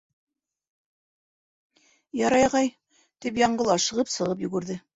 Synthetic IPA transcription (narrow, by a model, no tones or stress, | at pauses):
jɑɾɑjʁɑj | t̪ipjɑɴɢɤ̆lˠɑʃɤ̆ʁɤpsɤ̆ʁɤp̬jɵ̆ɡɘ̆ɾðɘ